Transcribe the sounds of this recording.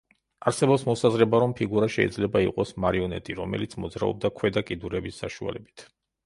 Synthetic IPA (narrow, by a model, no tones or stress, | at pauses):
aɾsɛbɔpsmɔsazɾɛbaɾɔmpʰiɡuɾaʃɛid̪zlɛbaiqʼɔsmaɾiɔnɛt̪ʼiɾɔmɛ̰lit̪sʰmɔd̪zɾa̰ɔ̰b̚d̪akʰwɛd̪akʼid̪uɾɛbisːaʃua̰lɛbit̪ʰ